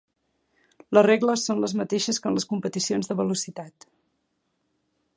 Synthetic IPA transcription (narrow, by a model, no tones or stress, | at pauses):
ləreɡləsːonləzmət̪eʃəskənləskumpət̪isionzðəβəlusit̪at̪